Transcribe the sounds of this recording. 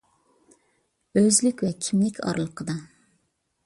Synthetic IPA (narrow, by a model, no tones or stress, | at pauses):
øzlykʲwɛkʲʰimlɪkʲʰɑ̰ɾlˠəqʰəd̪ɑ